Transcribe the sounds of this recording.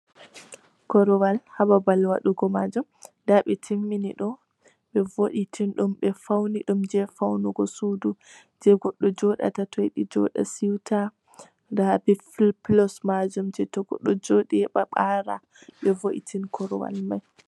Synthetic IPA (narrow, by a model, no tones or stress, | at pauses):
kɔɾɔwalhababalwaɗuɡɔmad͡ʒumndaɓɛtʰimːiniɗɔ | ɓɛvoɗitʰinɗumɓɛfawniɗumd͡ʒɛfawnuɡɔsudu | d͡ʒɛɡɔɗːɔd͡ʒɔɗa̰tatɔjɗid͡ʒɔ̰ɗa̰siwtʰa | ɾabifilplɔsmad͡ʒumd͡ʒɛtɔɡɔ̰ɗːɔd͡ʒoɗiɛɓaɓaɾa̰ | ɓɛvoɗḭtʰinkʰɔɾɔwa̰lmaj